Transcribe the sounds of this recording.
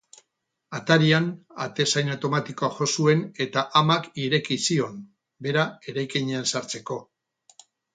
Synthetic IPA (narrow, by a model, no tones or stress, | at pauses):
at̪aɾiana̰t̪e̞sajnawt̪o̞mat̪iko̞aʝo̞sue̞ne̞t̪aʔamakiɾe̞kisio̞m | be̞ɾae̞ɾajkeɲe̞ansaɾt͡se̞ko̞